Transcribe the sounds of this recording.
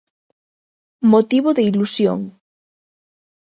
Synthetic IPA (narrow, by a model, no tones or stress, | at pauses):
mot̪iβoðeilusjo̰ŋ